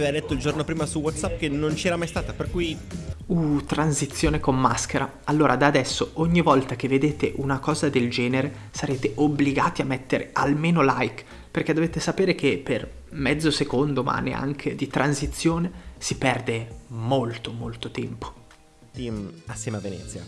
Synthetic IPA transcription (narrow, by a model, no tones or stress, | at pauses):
aevalɛt̪ːoild͡ʒornopɾiːmasuwɔt̪sap̚ːkenont͡ʃɛːɾamajst̪aːt̪aperkujut̪ɾansit̪sːjoːnekomːaskeɾʔa | alːoːɾad̪aːd̪ɛsːoʔoɲːivɔlt̪ak̟evːed̪eːt̪eʔunakɔːzad̪eld͡ʒɛːneɾe | saɾeːt̪eʔobliɡaːt̪iamːɛt̪ːeɾʔḛʔalmeːnolajk | perk̟ɛd̪oveːt̪esapeːɾekepːer | mɛd̪zːosekond̪oma̰nːḛa̰ŋkʰed̪it̪ɾʔansit̪sːjoːnesipɛrd̪emolt̪omolt̪ot̪ɛmpo̥ | t̪imasːɛːmeavenɛ̰t̪sːja̰